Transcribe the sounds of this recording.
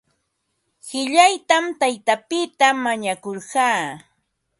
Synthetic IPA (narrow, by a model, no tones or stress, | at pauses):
hɪʎajt̪amt̪ajt̪apɪt̪amaɲakoɾɢɑː